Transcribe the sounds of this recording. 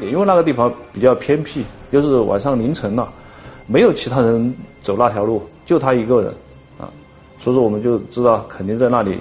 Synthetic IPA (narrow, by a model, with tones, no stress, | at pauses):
i˥we˥˧ɪna˥˩ə˧t̪i˥˩fɑ˧˩ŋpi˨˩t͡ɕjɑ˥˩ʊpʰjɛ˥npʰi˥˩t͡ɕjo˥˧ʊʂɻ̩˥˩wʔa̰˨˩nʂɑ˥˩ŋli˧˥ŋʈ͡ʂʰɤ˧˥ŋɐ˧ | me˧˥ɪjo˨˩ʊt͡ɕʰi˧˥t̪ʰa˥ɻə˧˥nt͡so˨˩ʊla˥˩jɑ˧˥ʊlu˥˩t͡ɕjʊt̪ʰa˥i˧˥ɡə˥˧ɻə̰˧˥n | ɐ̰˧˩ | swɔ˧˥ʂɔ˧˥wɔ˨˩mə˦nt͡ɕjo˥˩ʊʈ͡ʂɻ̩˥t̪ɑ˥˩ʊkʰə˨˩nt̪i˥˧ŋt͡sa˥˧ɪna˥˩lḭ˨˩˦